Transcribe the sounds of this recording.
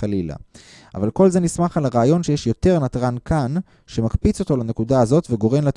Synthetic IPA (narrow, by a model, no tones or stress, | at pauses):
alila̰ | ʔa̰valko̞lze̞nismaχalaʁaːjo̞nʃejeʃjo̞te̞ʁnat̪ʁankʰan | ʃe̞makpit͡so̞t̪o̞lane̞kudaazo̞tveɡo̞ʁe̞mlat̪